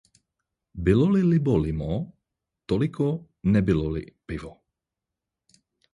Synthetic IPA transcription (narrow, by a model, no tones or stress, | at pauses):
bɪlɔlilɪbɔlɪmɔ | t̪ɔlikɔ | nɛbilɔlḭpɪvɔ